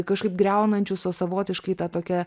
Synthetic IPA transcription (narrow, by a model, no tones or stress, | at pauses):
kɐʃkɐɪp̚ɡɾʲɛʊnɐnʲt͡ʃʲʊsosɐʋoːt̪ʲɪʃkɐɪt̪ɑt̪oːkʲɛ